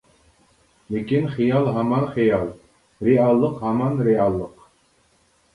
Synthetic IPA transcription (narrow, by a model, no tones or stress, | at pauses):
lʲekinχijɑlˠɦɑmɑnχijɑlˠ | ɾeɑlˠːɤqhɑmɑnɾeɑlˠːɤq